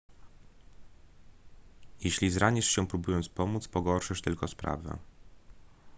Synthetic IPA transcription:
jeɕlʲizɾaɲɛʂɕɛpɾubujɔnt̪spɔmut̪spɔɡɔɾʂɘʂt̪ɘlkɔspɾa̰vɛ̰

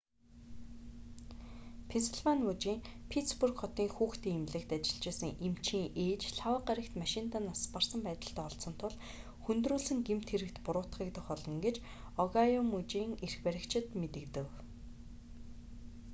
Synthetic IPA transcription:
pʰenseɮvanmʊt͡ɕiːŋpʰit̪spurkχɔt̪iːŋxuːxt̪iːŋemɮɘ̆kt̪at͡ɕɪ̆ɮt͡ɕeːsə̆ŋʔem̥t͡ɕʰiːŋʔeːt͡ɕɬawə̆ːqaɾʲə̆kt̪maʃɪnt̪aːnaspar̥sə̆mpæːt̪ə̆ɬt̪æːɔɮsɞ̆n̥t̪ʰʊɮ | xunt̪ruːɮɘ̆ŋɡem̥t̪ʰxeɾɘ̆kt̪pʊɾʊːt̪̆χiːkt̪ə̆xɔɮɞ̆ŋɡet͡ɕ | ɔɣajɔmʊt͡ɕiːŋerxpæɾʲɪ̆kt͡ɕʰɪ̆t̪met̪ɘ̆kt̪ɘ̆w

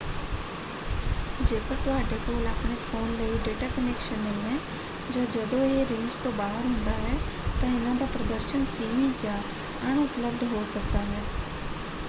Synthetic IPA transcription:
d͡ʒeːkəkʋaːʈeːkoːləpɳeːfʰoːnləiɖeːʈaːkənekʃənẽɦɛ̃ː | d͡ʒaːd͡ʒəd̪õeɾɪ̃nd͡ʒt̪õːbaːɦəɾɦʊ̃nd̪aːɦɛː | t̪ãɪnãːd̪aːpɾəd̪əɾʃənsiːmit͡ʃaː | əɳ̃ʊpləb̚d̪ɦoːsək̚d̪aːɦɛː

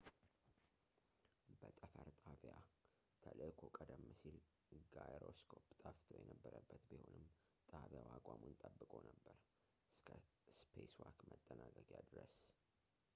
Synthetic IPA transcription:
bət̪ʼəfəɾt̪ʼavja | t̪ʰəlʔɨkʰokʼəd̪əmːɨsil | ɡajɾoskʰopt̪ʼaft̪ʰojɛnəbːəɾəbːət̪bɨho̞nɨm | t̪ʼaβjawakʼamunt̪ʼəbːɨkʼonəbːəɾ | ɨskʰə | spʰeswakmət̪ʼːənaɡəɡjad̪ɾəs

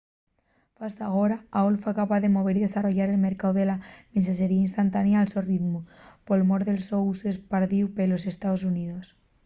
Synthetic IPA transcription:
fast̪aɣoɾaaolfakapaðemoβ̞eɾiðesaroʝaɾelmeɾkawðelamensaseɾiainst̪ant̪anjaːlsorit̪mupolmoɾðelsousespaɾðiwpelosest̪aðos̬uniðos

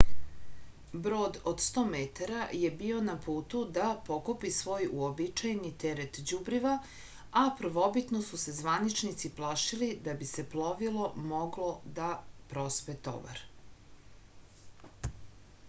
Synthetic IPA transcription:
bɾo̞ːd̪od̪st̪o̞ːmet̪aɾaje̞bio̞napuːt̪ud̪apo̞kopisʋo̞ːjuobit͡ʃajnit̪eɾet̪d͡ʑubɾiʋa | apr̩ʋo̞bit̪nosuse̞zʋanit͡ʃnit̪siplˠaʃilid̪abise̞plˠoʋilo̞moɡlo̞d̪apɾo̞spet̪o̰ba̰ɾ

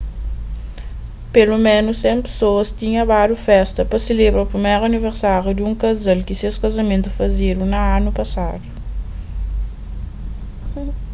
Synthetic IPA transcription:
pelumẽnʊsːẽmpe̥soɐst̪ĩɲɐbad̪ufɛst̪ɐpɐselebɾɐupɾimejɾɐniveɾsaɾjud̪ɪũŋkɐzalkɪseskɐzɐmẽnt̪ufɐzeɾũnɐanupɐsa̰d̪u

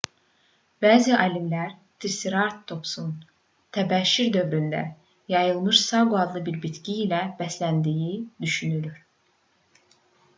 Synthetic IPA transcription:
bæːziʔɑlimlæɾt̪ʰisiɾɑɾt̪ʰːo̞psun | t̪ʰæbæʃiɾd̪ø̞vɾynd̪æ̰ | jɑjɯlˠmɯʃsɑɡuɑd̪lˠɯbiɾbit̪ciːlæb̥æslænd̪ijid̪yʃynylyɾ̥

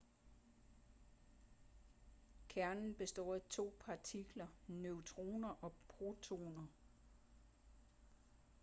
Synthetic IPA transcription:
kʰæɐnn̩b̥e̝sd̥ɒ̰ːæt͡sʰo̝̰ːpʰɑ̈t͡sʰiɡ̥lɐnøʊt͡sʰʁo̝̰ːnɐʔɒ̽pʰʁot͡sʰo̝̰ːnɐ

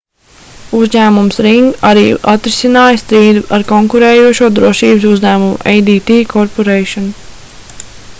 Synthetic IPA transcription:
uzɲæːmumsɾiŋɡaɾiːʔat̪ɾisinɑːjɐst̪ɾiːd̪uaɾkɔŋkuɾeːjuɔʃuɔd̪ɾuɔʃiːbsuzʲɲæːmum̰ʔejd̪iːt̪iːkʰɔɾpɔɾeːʃɔn

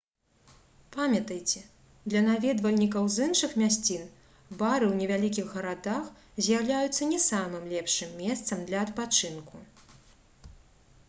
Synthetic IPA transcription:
pamʲɐt̪ɐjt͡sʲɛ | d̪lʲɐnavʲɛd̪vɐlʲnʲikɐwzɨnʂɨxmʲasʲt͡sʲin | baɾɨwnʲɛvʲalʲikʲiɣːɐɾad̪ax | zʲjawlʲajut̪sːɐnʲɛsamɨmlʲɛpʂɨmːʲɛst̪sɐmd̪lʲɐɐt̪̚pat͡ʂɨnku

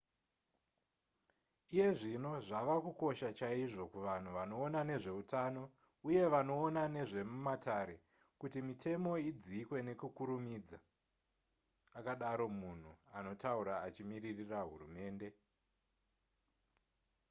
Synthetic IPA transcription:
ije̞ʐino̞ʐaʋakuko̞ʃat͡ʃaiʐo̞kuʋan̤uʋano̞ːnane̞ʐe̞utʰaːno̞ | uje̞ʋano̞ːnane̞ʐe̞mumatʰaɾe̞ | kutimitʰe̞mo̞id͡zikwe̞ne̞kukuɾumid͡za | kaɗaɾo̞mun̤uano̞tauɾaːt͡ʃimiririraɦṵrume̞ːnde̞

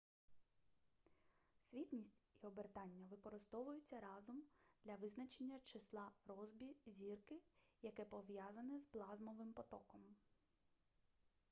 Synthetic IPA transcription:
sʲʋʲit̪ʲnʲisʲtʲiɔbert̪ɑnʲːɐʋɪkɔɾɪst̪ɔʋʊjʊt͡sʲːɐɾɑzɔmd̪̥lʲɐʋɪznɐt͡ʃenʲːɐt͡ʃɪslˠɑɾɔzbʲizʲirkɪjɐkɛpɔʋjɑzɐnɪzplˠɑzmɔʋɪmpɔt̪ɔkɔm

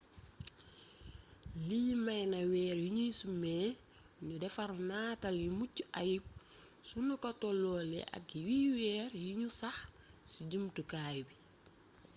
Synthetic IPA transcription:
limajnawɛːɾjuɲisumɛː | ɲudɛfɐɾnaːtaljumucːuʔajip̚ | sunukɔtɔlɔːlɛ̰ʔɐ̰kːiwiːwɛːɾjiɲusɐx | siɟumtəkaːjbi

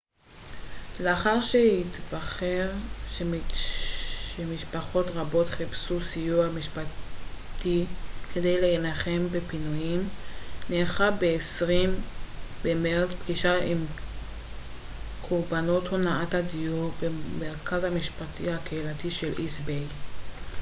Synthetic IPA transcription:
leaχaʁʃehit̪baχeʁʃe | emiʃpaχo̞tʁabo̞tχipsusijuhamiʃpat̪ikʰe̞dejleenaχe̞mbepinujimneːχabeesʁimbemeʁt͡spɡiʃaim | kʰuʁbano̞thonaathadijubemeʁkʰazhamiʃpatʰihakeilatiʃelʔisbej

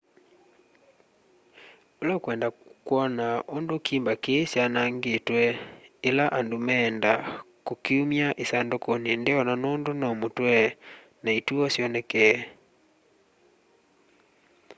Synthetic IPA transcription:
olakwɛndakwɔnaondokiːmbakesjanaŋɡetwɛelaʔandomɛnda | kokiumjaʔesandokonendeɔnanondonamotwɛ | naetuɔsjɔnɛkɛ

